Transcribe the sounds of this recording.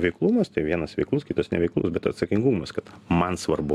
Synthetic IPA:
ʋʲɛɪklˠuːmɐst̪ɐɪʋʲiɛnɐsʋʲɛ̰ɪklˠuskʲiːt̪ɐsnʲɛʋʲɛɪklˠʊ̰sbʲɛt̪ɐt̪sɐkʲɪŋɡuːmɐskɐt̪mɐnsʋɐrbʊ

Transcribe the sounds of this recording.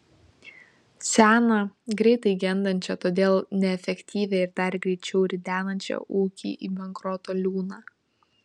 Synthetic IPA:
sʲæːnɐɡɾʲɛɪt̪ɐɪɡʲɛnd̪ɐnʲt͡ʃʲɛt̪oːd̪ʲeːlˠnʲɛɛfʲɛkʲt̪ʲiːʋʲeɪɾd̪ɐɾɡɾʲɛɪt͡ʃʲɛʊɾʲɪd̪ʲæːnɐnʲt͡ʃʲɛ̰ʔuːkʲḭːʔiːbʲɛŋkɾɔt̪oːlʲuːnɑː

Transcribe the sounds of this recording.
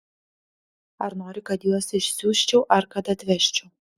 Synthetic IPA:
ɐɾnoːɾʲɪkɐt̪juɔsɪʃʲsʲuːʃʲt͡ʃʲɛʊʔɐɾkɐt̪ɐt̪ʲʋʲɛʃʲt͡ʃʲʊː

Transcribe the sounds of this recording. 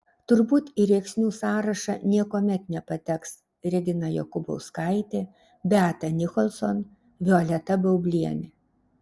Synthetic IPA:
t̪ʊɾbuːt̪iɾʲeːksʲnʲuːsɑːɾɐʃɐ̰nʲiɛkoːmʲɛt̪nʲɛpɐt̪ʲɛks | ɾʲɪɡ̪ʲɪnɐjo̰ːkʊbo̰ʊskɐɪt̪ʲeː | bʲæːt̪ɐnʲɪkɔlʲˠson | ʋʲɪɔlʲɛt̪ɐbʲɐʊbʲlʲiɛnʲɪ

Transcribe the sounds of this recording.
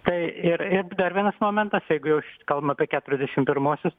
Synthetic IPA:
t̪ɐɪɪɾɪɾd̪ɐrʋʲiɛnɐsmoːmʲɛnt̪ɐsjɛɪɡʊjɛʊʃkɐlˠbɐmɐpʲiɛkʲæːt̪ʊɾʲɛzʲd̪ʲɛʃʲɪmpʲɪɾmuɔsʲʊs

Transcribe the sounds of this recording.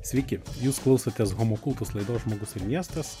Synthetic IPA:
sʲʋʲɛɪkʲɪjuːsklˠɐʊsɐt̪ʲesɣomokʊlˠt̪ʊslˠɐɪd̪oːsʒmoːɡʊsɪɾmʲiɛst̪ɐs

